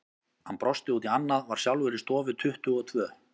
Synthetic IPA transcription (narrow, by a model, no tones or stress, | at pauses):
hanpɾɔst̪ɪut̪ianːaðvaɾ̥sjawlvʏɾɪst̪ɔːvɪt̪ʰʏht̪ʏɔt̪ʰvœː